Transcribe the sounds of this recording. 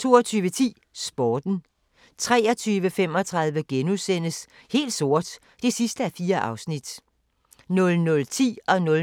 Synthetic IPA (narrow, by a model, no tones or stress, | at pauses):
t͡sʰo̝ːɒt͡sʰyːʋət͡sʰḭː | sb̥ɒːd̥n̩ | t͡sʰʁɛːɒ̽t͡sʰyːʋəfem̰ɒ̽t͡sʰʁɑ̈ð̞ˠʋəɡ̥enusen̰əs | he̝̰ːld̥so̝ɐ̰d̥ | d̥e̝sisd̥əæɐfiːɐʔɑ̈ʊsnid̥ | nɔ̽lnɔ̽lt͡sʰḭːɒ̽nɔ̽l